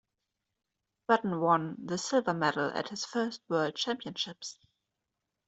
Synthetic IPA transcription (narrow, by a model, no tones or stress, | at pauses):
ɹ̥ɛtn̩wʌ̃nðəsɪlˠvə˞mɛɾl̩ˠə̰t̚hɨz̥fɜ˞st̚wɜ˞lˠd̚t͡ʃʰæ̃mpiə̃nʃɪps